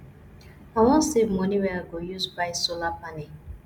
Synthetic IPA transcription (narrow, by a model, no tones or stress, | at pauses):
awɔ̃nsevmɔniwɛaɡojuzbaɪsolapane